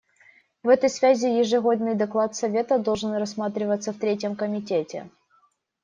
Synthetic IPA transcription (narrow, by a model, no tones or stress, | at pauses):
vɛt̪əjsvʲæzʲɪjɪʐɨɣo̞d̪nɨjd̪ɐklˠat̪sɐvʲe̞t̪əd̪olˠʐɨnrɐsmat̪ɾʲɪvət̪sːəft̪ɾʲetʲjəmkəmʲɪtʲetʲɪ̰